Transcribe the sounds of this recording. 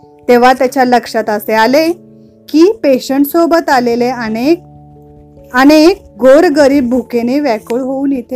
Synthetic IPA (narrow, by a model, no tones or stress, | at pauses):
t̪eʋ̤at̪jat͡ɕjaləkʂat̪əseale | kiːpeɕəɳʈsobət̪aleleənek̚ | ənek̚ɡoɾɡəɾiːbːʱukeneʋækəɭɦouːnjet̪ʰe